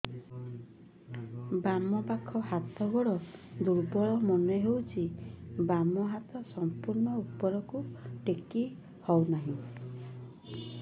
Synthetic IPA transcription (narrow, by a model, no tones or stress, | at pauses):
bamɔpakʰɔɦat̪ʰɔɡɔɽɔd̪uɾbɔɭɔmɔneɦewt͡ʃʰibamɔɦat̪ɔsɔmpuɾnɔupːɔɾɔkuʈeki | hɔwnaɦĩ